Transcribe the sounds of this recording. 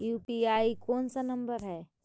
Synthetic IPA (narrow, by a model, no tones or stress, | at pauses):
juːpiaikoːnsanɐmbəɾɦɛː